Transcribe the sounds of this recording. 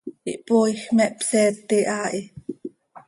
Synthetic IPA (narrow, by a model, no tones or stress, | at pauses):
ʔiʔpojxmɛʔpsɛt̪ːiʔaʔi